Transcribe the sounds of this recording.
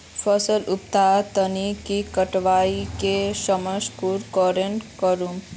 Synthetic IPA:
fʰəsəlup̚t̪at̪ənikikəʈʋaːikeʃəməʃkuɾkɔɾenkəɾum

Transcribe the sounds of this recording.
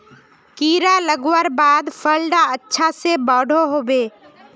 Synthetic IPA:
kiːɾaləɡwəɾbaːd̪pʰəlɖaətːʃʰasebɔːɖʱoɦoːbeː

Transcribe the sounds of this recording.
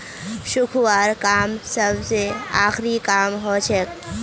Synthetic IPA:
ʃʊkʰwaːɾkaːmsəbseaːxɾikaːmɦot͡ʃʰək

